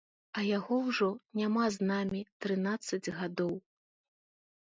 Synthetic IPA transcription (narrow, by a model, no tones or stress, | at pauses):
ɐjaɣɔwʐɔnʲamaznamʲit̪ɾɨnat̪sːɐd͡zʲɣad̪ɔw